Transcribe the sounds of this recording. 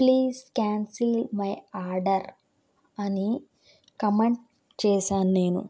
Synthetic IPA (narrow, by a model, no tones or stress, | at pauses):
pliːzkaːnsilmɐjaːɾɖɐɾ | ɐni | kɐmeɳʈ | t͡ʃeːʃaːnune̞ːnṵ